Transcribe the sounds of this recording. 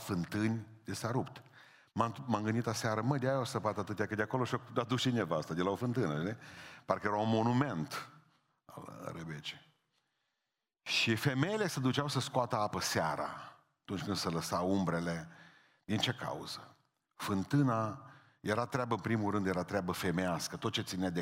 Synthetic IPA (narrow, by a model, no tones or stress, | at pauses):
fɨnt̪ɨnʲd̪̥esaɾupt̪ | mamaŋɡɨnd̪it̪laseaɾəməd̪eajasəpat̪at̪ɨt̪jakəd̪ʲeako̞lo̞ʃiokud̪at̪d̪uʃinevaast̪ad̪elaofɨnt̪ɨnəepaɾrkəjeɾawunmo̞nume̞nt̪ | a̰lrebet͡ʃi̥ | ʃife̞me̞jele̞səd̪ut͡ʃawsəskoat̪əapəseaɾa̰ | t̪unt͡ʃʲkɨnd̪sələsawumbɾe̞le̞ | d̪int͡ʃe̞ka̰ṵz̥ə | fɨnt̪ɨna | je̞ɾat̪ɾeabəɨnpɾimulɾɨnd̪jeɾat̪ɾeabəfe̞measkət̪ot̪̚t͡ʃe̞t̪sinead̪e